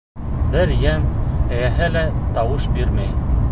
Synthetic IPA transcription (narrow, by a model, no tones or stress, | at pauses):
bɘɾjæmæjæhælæt̪ɑwɤʃbiɾmæj